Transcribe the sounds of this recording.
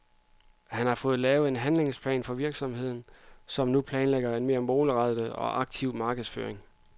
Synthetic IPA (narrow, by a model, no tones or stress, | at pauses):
hænhɑ̈fɔ̽ːð̞̩ˠlɛːʊəe̝nɦænle̝ŋspʰlɛ̰ːnfɒ̽ʋiɐɡ̥sɒ̽mhe̝ð̰ˠn̩sɒ̽mnupʰlɛːnleɡ̥ɐe̝nme̝ːɐmo̝ːləʁɑd̥əɒ̽ʔɑ̈ɡ̥̚t͡sʰiʊ̰mɑ̈ːɡ̥ðˠsfø̰ːɐeŋ